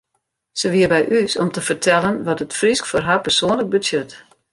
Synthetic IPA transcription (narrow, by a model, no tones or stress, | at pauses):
səʋiərbɛjʔysɔmtəfərtʰɛlənʋɔtətfriskforɦapərsoənlək̚bəsjøt